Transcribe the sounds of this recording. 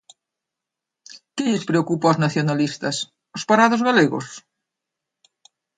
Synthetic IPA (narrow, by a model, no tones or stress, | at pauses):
kɪʎɪspɾeokupaoznaθjonalist̪ɐs | ospaɾaðozɣaleɣo̰s